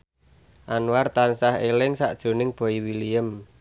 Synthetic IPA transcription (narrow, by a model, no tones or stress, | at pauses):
ʔanwart̪ansahelɪŋsa̰ʔd̥ʒ̥o̤nɪŋb̥ɔ̤iwilijəm